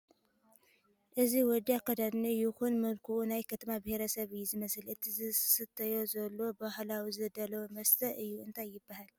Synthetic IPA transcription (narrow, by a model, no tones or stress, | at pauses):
ʔɨziwɔd̪ːiakʰːɐd̪ad̪nijɪxunmɐlkʰuʔunajkʰɐt̪ʰɐmabɨheɾɐsɐβɨjːuzɨmɐsɨlɨt̪ʰizɨsɨt̪ʰːɐjo̞zɐlːo̞bahlawizɨd̪ɐlɐwmɐst̪ʰɐʔɨjːuʔɨnt̪ʰajːɪbːahal